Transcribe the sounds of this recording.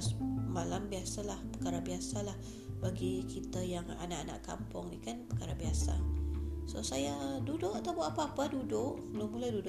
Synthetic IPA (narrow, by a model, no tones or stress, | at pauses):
smalambiasalahpəkaɾabiasalah | baɡikit̪ajaŋa̰naʔana̰ʔka̰mpʊŋnikanpəkaɾabiasa̰sosajadudʊʔat̪apoʔapaːpadudʊʔbəlomulajdudʊʔ